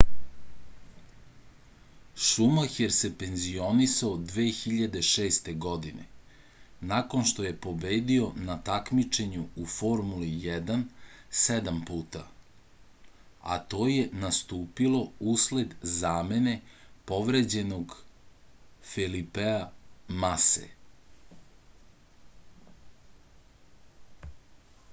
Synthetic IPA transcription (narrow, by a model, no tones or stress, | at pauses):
ʃumaxeɾsepe̞nzio̞nisaod̪ʋeːxiʎad̪e̞ʃeːst̪e̞ɡod̪inḛ | nako̞nʃt̪o̞jepo̞be̞ːd̪io̞nat̪akmit͡ʃe̞ɲuufo̞ɾmulijɛd̪ansɛd̪ampuːt̪a | a̰t̪o̞ːje̞nast̪uːpilo̞usled̪zaːme̞ne̞po̞ʋɾed͡ʑe̞no̞ɡ | filipeamasḛ